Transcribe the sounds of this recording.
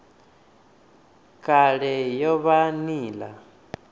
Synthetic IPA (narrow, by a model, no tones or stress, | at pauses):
kʼaɺɛjɔβaniːla